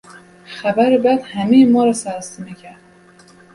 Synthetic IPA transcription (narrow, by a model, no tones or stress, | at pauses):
xæbæɾebæd̪hæmijmɒːɾæsæɾst̪imicʰæɾd̪̥